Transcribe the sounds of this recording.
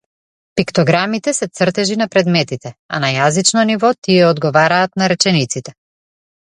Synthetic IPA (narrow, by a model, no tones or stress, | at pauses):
pikt̪ɔɡɾamit̪ɛsɛt̪sr̩t̪ɛʒinapɾɛd̪mɛt̪it̪ɛa̰najazit͡ʃnɔnivɔt̪iɛɔd̪ɡɔvaɾaːt̪naɾɛt͡ʃɛnit̪sit̪ɛ